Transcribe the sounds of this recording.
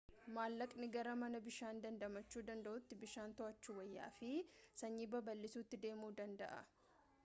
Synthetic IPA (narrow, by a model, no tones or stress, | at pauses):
maːlːɐkʼnɪɡɐɾɐmɐnɐbɪʃaːnd̪ɐnd̪ɐmɐt͡ʃːuːd̪ɐnd̪ɐʔʊt̪ːɪbɪʃaːnt̪ɔɐt͡ʃːuːwɐjːa̰ːfɪsɐɲːiːbɐbɐlːɪsuːt̪ːɪd̪e̞ːmuːd̪ɐnd̪ɐ̰ʔɐ̰